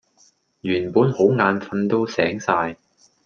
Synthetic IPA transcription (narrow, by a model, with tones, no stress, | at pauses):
jyː˨˩npuː˨˥nho˨˥wŋaː˨˧nfɐ˧nt̪o˥wsɛ̰ː˨˥ŋsaː˧j